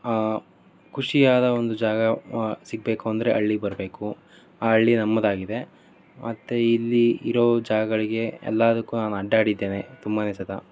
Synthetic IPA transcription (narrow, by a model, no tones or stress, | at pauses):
kʰuʂijaːd̪ɐond̪ud͡ʒaːɡɐsiɡ̚beːkuɐnd̪ɐɾe̞ʔɐɭːibɐɾbe̞ːku | aːɐɭːinɐmːɐd̪aːɡid̪e̞ | mʔɐt̪ːeilːiiɾoːd͡ʒaːɡɐɡɐɭiɡe̞ɛ̰lːad̪ɐkːuːnaːnuɐɖːaːɽid̪ːeːne̞t̪umbɐneːsɐt̪ʰa